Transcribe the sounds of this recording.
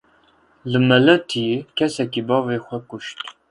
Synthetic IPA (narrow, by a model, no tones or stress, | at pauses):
lɨmɐlɐt̪ʰikʰɛsɛkʲibɑːveːxʷɐkʷʼʊʃt̪